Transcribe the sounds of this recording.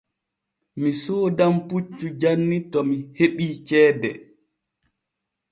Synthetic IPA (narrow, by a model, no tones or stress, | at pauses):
misɔːdamput͡ʃːud͡ʒanːitɔmiheɓiːt͡ʃɛːbɛ